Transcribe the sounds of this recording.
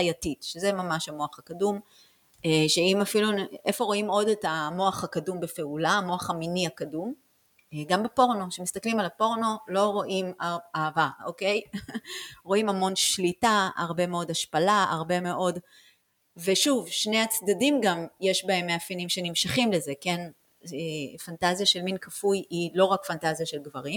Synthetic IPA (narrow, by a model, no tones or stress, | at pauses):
ajatitʃezemamaʃhamo̞aχakadum | eʃeimafilunʔe̞fo̞ʁo̞imo̞detamo̞aχhakadumbefe̞ulaːmo̞aχaminiakadum | ɡambepo̞ʁno̞ʃemistaklimalapo̞ʁno̞lo̞ʁo̞ʔimaaːvaokej | ʁo̞imamo̞nʃlitaa̰ʁbe̞meo̞daʃpalaa̰ʁbe̞me̞ʔo̞d | ve̞ʃuvʃne̞at͡sdadimɡamje̞ʃbae̞mːeafinimʃe̞nimʃaχimleze̞ke̞n | efantazjaʃelminkʰafujilo̞ʁakfantazijaʃe̞lɡvaʁim